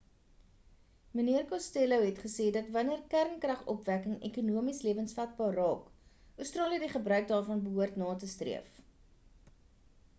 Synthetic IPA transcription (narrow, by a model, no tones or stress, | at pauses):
məniərkɑsteləwɦɛtχəseːdɐtvɐniərkærŋkrɐχɔ̰pvækəŋɛkunuəmisliəvənsfat̚bɑːrɑːk | œwstrɑːliədiχəbrœɥk̚dɑːrfɐnbəɦuərtnɑːtəstrḭəf